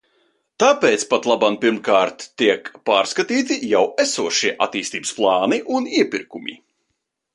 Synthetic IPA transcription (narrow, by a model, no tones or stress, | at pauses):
t̪aːpeːt̪spat̪lˠabampiɾmkaːɾt̪ːiɛkpaːɾskat̪iːt̪ijawæsuɔʃiɛʔa̰t̪iːst̪iːbəsplˠɑːniʔuniɛpʲiɾkumʲḭ